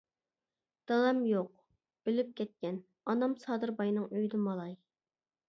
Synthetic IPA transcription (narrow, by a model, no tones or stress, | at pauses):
d̪̥ɑlˠɛmjoq̚ | ølyp̚kʲʰɛt̪̚kʲɛn | ɑnɑmsɑːd̪ɨɾbɑjnɨŋøjd̪ɪmɑlˠɑj